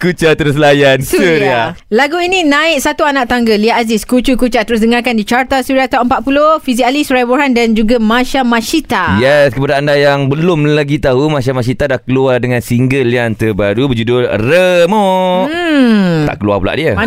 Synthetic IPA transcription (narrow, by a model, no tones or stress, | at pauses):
kut͡ʃat̪əɾəslajansuuɾia | laɡuininãɪʔ̚sat̪uanaʔ̚t̪aŋɡəliaʔaziskut͡ʃukut͡ʃat̪əɾʊsdəŋarkandit͡ʃart̪asuɾiat̪awəmpat̪̚pulohfizialisuɾajboɦandand͡ʒuɡamãʃamãʃit̪ajɛskəpadaːndajaŋbəlʊmlaɡit̪aɦumãʃamaʃit̪adahkəluadəŋãnsiŋɡəlːiant̪əbaɾubəd͡ʒudʊlrəmɔ | t̪a̰ʔkəlua̰pula̰ʔdiə